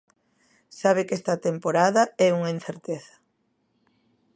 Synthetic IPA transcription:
saβ̞ɪkɛst̪ɐt̪empoɾaðɐɛuŋain̟θeɾt̪eθɐ̥

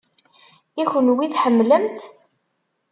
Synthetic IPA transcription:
içənwiθħəmːləmt̪

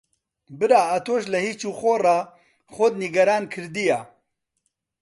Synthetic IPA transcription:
bɨɾaːat̪ʰoːʃlɛhiːt͡ʃuːxoːrɑ | χod̪niɡɐɾaːnkʰɨɾd̪ijaː

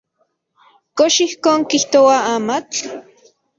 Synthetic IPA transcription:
koʃihkoːŋkiht̪owaaːmat͡ɬ

